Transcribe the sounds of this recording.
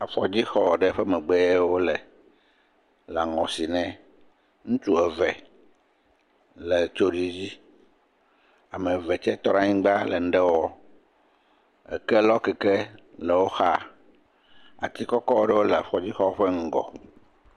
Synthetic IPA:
a˨fɔ˨d͡ʑi˦xɔ˦˨ɖɛ˦ɸɛ˦mɛ̃˨ɡ͡bɛ˦wo˦lɛ˨ | la˨ŋɔ̃˨si˨nɛ̃˨ | ŋũ˦t͡ʃu˦ɛ˨vɛ˨ | lɛ˨t͡ʃo˦ɖi˦d͡ʑi˦ | a˨mɛ̃˨vɛ˨t͡ʃɛ˦t̪ɔ˦nã˦ɲĩ˦ɡ͡ba˦le˨n̩˦ɖɛ˦wɔ˦ | ɛ̰˨kɛ˦lɔ˦kɛ˨kɛ˦lɛ˨wo˦xa˦ | a̰˨t̪i˦kɔ˦kɔ˦wo˦ɖɛ˦wo˦lɛ˨a˨ɸɔ˨d͡ʑi˦xɔ˦ɸɛ˦ŋ̩˦ɡɔ̰˨

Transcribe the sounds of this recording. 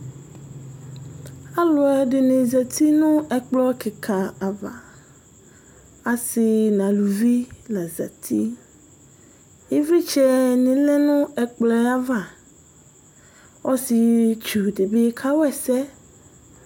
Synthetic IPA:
a˦lʊ˨ɛ˨ɖɪ˨nẽ˨za˨t̪ʰi˦nʊ̃˦ɛ˨k͡plɔ˦kɪ˨kʰa˨a˨va̰˨ | a˨sɪ˨nã˨lu˨vi˦la˨za̰˨t̪ʰi˦ | e˦vi˦t͡ʃɛ˦nɪ̃˨lɛ˦nʊ̃˦ɛ˨k͡plɛ˨a˦va˨ | wɔ˦si˨t͡ʃu˨ɖe˨be˦kʰa˦wɛ˨sɛ˦

